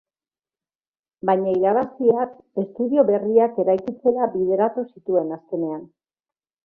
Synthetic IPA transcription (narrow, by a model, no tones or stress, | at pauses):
bajɲaiɾaβastiat̪ | e̞st̪uðio̞βe̞riake̞ɾajkit͡se̞ɾabiðe̞ɾat̪usit̪ue̞naske̞ne̞an